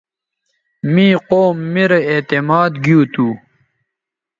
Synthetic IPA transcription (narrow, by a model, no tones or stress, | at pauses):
mĩːqoːmːiɾɐet̪imaːd̪ɡiut̪uː